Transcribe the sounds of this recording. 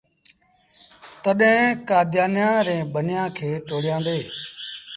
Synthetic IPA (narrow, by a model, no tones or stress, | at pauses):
t̪əɗẽːkaːd̪ʱjaːnjãːɾẽːɓʱənɪjãːkʰeːʈoːɽɪjãːnd̪eː